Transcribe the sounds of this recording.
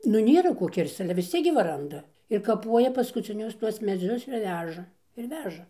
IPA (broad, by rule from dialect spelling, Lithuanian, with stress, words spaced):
nʊ ˈnʲeːrɐ ˈkoː ˈkʲɪrst͡s ˈɑːlʲɛ ʋʲɪs ˈt͡sʲiɛk ɡʲɪ ʋɐ ˈrɐndɐ ɪr kɐˈpuɔjɛ pɐskʊt͡sʲɪˈnʲʊs ˈtuɔs mʲɛˈd͡zʲʊs ɪr ˈʋʲæːʒɐ ɪr ˈʋʲæːʒɐ